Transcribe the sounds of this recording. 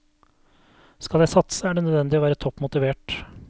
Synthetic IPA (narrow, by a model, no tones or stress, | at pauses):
skɑld̪jæɪsɑt̪səæɖɛnœd̪ʋɛnd̪ɪoːʋæːɾət̪ʰɔpːmʊt̪ɪʋeːʈ